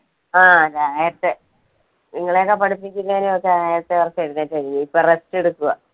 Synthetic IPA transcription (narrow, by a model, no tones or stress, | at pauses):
aːɾaːjɐt̪ːe | niŋːɐɭejokːepɐɽupːikʲːilːɐneokːeɾaːjɐt̪ːeʋɐrɐkːeɾunːaːtːɐɾiniipːoreste̞ɽukːuɣɐ